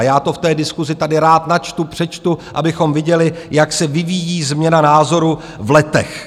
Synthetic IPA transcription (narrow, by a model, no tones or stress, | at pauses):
jaːt̪o̞ft̪ɛːdɪskuzɪt̪adɪɾaːt̪nat͡ʃt̪upr̝̥ɛt͡ʃt̪uʔabɪxo̞mvɪɟɛlɪjaksɛvɪvijiːzmɲɛnanaːzo̞ɾu | vlɛt̪ɛ̰x